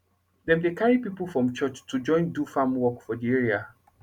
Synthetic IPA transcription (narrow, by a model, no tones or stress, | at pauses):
dɛ̃mdekʰaɹipipl̩ˠfɹɔ̃mt͡ʃɔt͡ʃtʰːud͡ʒɔ̃ɪ̃ndufãmwɔkfɔdiɛɹia